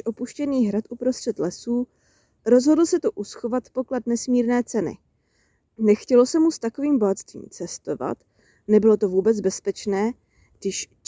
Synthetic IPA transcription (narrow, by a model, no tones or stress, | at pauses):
ʔo̞puʃcɛniːɦɾat̪ʔupɾo̞st̪r̥ɛt̪lɛsuː | ɾo̞zɦo̞dl̩sɛt̪oʔusxo̞vat̪po̞klat̪nɛsmiːɾnɛːt͡sɛnɪ̰ | nɛxcɛlo̞sɛmust̪ako̞viːmboɦat̪st̪vḭːmt͡sɛst̪o̞va̰t̪ | nɛbɪlo̞t̪o̞vuːbɛt͡sbɛspɛt͡ʃnɛː | ɡdɪʃ